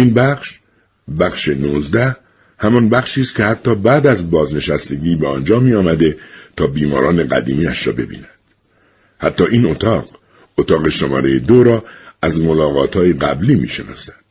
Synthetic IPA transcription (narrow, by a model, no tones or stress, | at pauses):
ʔiːnbæχʃ | bæχʃenuːzd̪æh | hæmɒnbæχʃiːst̪kcʰe̞hæt̪ʰːɒːbæːd̪æzbɒːzne̞ʃæst̪e̞ɡiːbeɒːnd͡ʒɒːmiːɒːmæd̪e̞t̪ʰɒːbiːmɒ̰ːɾɒːneɡæ̰d̪iːmiːæʃɾɒ̰ːbe̞bḭːnæd̪̥ | hæt̪ʰːɒːʔiːno̞t̪ʰɒːq | ot̪ʰɒːɣe̞ʃomɒ̰ːɾejed̪oɾɒːæzmolɒːɣɒːt̪ʰhɒːjeɡæbliːmḭːʃenɒ̰ːsæ̥d̪̥